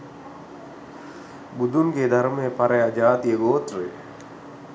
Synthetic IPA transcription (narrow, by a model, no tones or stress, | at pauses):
bud̪uŋɡeːd̪ʱaɾmejəpaɾɐjad͡ʒaːt̪ijəɡoːt̪re